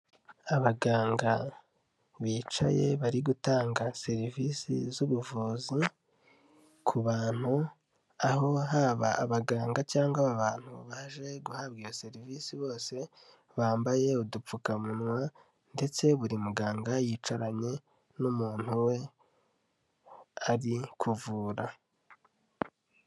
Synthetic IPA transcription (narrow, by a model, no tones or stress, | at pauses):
aβaɡaːŋɡa | βiːt͡ʃa̰je̞βaɾiɡutaːŋɡase̞ɾivisḭzuβuvuːzi | kʰuβaːn̥hu | aɦo̞ɦaβaːβaɡaːŋɡat͡ʃaːŋɡaβaβaːn̥huβaʒe̞ɡuhabɡiːɾase̞ɾiviːsiβo̞ːse̞ | βaːmbaje̞udup͡fukamunwa | nde̞t͡se̞βuɾimuɡaːŋɡajiːt͡ʃaɾaɲe̞ | numuːn̥huwe̞ | aɾikʰuvuːɾa